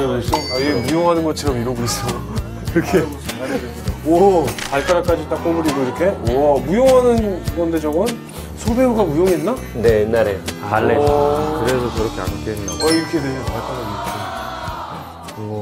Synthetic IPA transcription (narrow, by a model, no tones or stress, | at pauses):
des͈oiɡemujoŋɦanɯnɡʌt͡ɕʰʌɾʌmiɾʌɡois͈ʌjo | iɾʌkʰe̞ | wʌaɭkʰaɾak͈ad͡ʑit͈ak͈omuɾiɡoiɾʌkʰe̞wʌmujoŋɦanɯnɡʌnde̞d͡ʑʰʌɡɯn | sʰobeoɡamujoŋenna | ne̞inːaɾejoaɭːekɯɾesʰʌt͡ɕʌɾʌkʰea̰nk͈enːaʌiɾʌkʰeneɲoaɭkʰaɾaɡok͈ʰe | ʌ